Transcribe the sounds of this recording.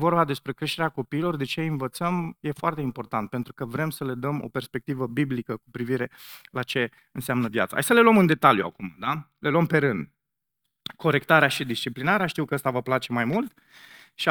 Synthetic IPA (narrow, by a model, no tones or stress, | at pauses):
vorbad̪e̞spɾe̞kɾe̞ʃt̪e̞ɾeako̞piːlo̞rd̪e̞t͡ʃe̞invət̪səmje̞foart̪e̞impo̞rt̪ant̪̚pe̞nt̪ɾukəvɾe̞msəle̞d̪əmo̞̰pe̞rspe̞k̚t̪ivəbiblikəkupɾiviɾe̞lat͡ʃe̞ | ɨnsamnəvja̰t̪sa̰ɦa̰jsəle̞lwəmɨnd̪e̞t̪aljua̰kuma̰d̪a | le̞luəmpe̞ɾɨnd̪ | ko̞ɾe̞kt̪aɾeaʃid̪ist͡ʃiplinaɾeaʃt̪iwkəəst̪avəplat͡ʃe̞majmult̪ | ʃi